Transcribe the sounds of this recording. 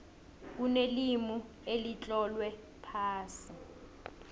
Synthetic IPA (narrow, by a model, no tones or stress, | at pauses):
k̬unelimu | elit͡ɬʼɔlwɛ | pʰaːsi